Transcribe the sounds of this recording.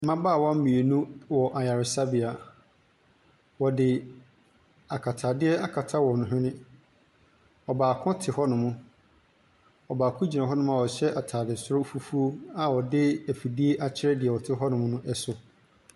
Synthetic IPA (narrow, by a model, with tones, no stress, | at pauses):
mã˦baː˦˨wɔ̃˦m̩˦mĩ˨e˨nũ˦wɔ˨ʔa˨ja˨ɾɪ˨sa˦bi˨a˨ | wɔ˨dɪ˨ | a˨kʰa˨tʰaː˨dɪ˦ɛ˦ʔa˦kʰa˨tʰa˦wɔ˨nʊ̃˨ɦᶣɪ̃˦nɪ̃˦ | ɔ˨baː˨kʰʊ̃˦tʰɪ˨hɔ˦nʊ̃˨mʊ̃˦ | ɔ˨baː˨kʰʊ̃˦d͡ʑi˨nã˨ɦɔ˦nʊ̃˦m˦ã˨wɔ˨ɕɛ˦ʔa˨tʰaː˨dɪ˨sʊ˦ɾɔ˦fu˦fu˦o˦a˨wɔ˨dɪ˦æ˨fi˨di˦e˦ʔa˦t͡ɕʰɪ˦ɾɛ˦dɪ˨ɛ˨wɔ˨tʰɪ˦ɦɔ˦nʊ̃˨mʊ̃˦nʊ̃˦ʔɛ˦sʊ˦